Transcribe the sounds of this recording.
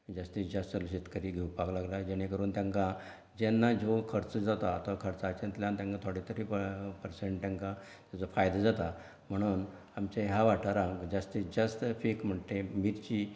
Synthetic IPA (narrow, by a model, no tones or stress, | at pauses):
d͡zəst̪isd͡ʑəstəlɕet̪kəɾiːɡʱewpaklaɡlad͡ʑeɽ̃ekəɾuːnt̪jãŋkã | d͡ʑɛnːad͡zokʰəɾt͡səd͡zat̪aːt̪akʰəɾt͡sat͡ɕə̃nt̪ljãnt̪jãŋkãt̪ʰoɽet̪əɾippəɾseɳʈt̪jãŋkã | t̪jat͡sofajd̪ad͡zat̪a | m̤əɽ̃uːn | amt͡ɕaɦaʋaʈaɾãŋkd͡zast̪isd͡ʑəst̪fekm̤əɳt̪emiɾt͡ɕiː